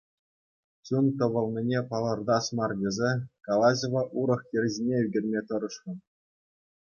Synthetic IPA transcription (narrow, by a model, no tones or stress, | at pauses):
t͡ɕunt̪ɤ̆ʋɤ̆lˠnʲinʲepɑlˠɤ̆rd̪ɑsmɑrdʲezʲekɑlˠɑʑʲoʋɑʔuɾɤ̆χjʲerʲzʲinʲeyɡʲerʲmʲet̪ɤ̆ɾɤ̆ʂrɤ̆n